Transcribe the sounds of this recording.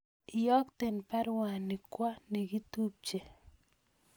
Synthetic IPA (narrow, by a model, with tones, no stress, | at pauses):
jɔ˦kt̪e˨npa˦ɾwa˨ni˨kwa˦ni˨ɡi˦tu˦p̚t͡ʃe˨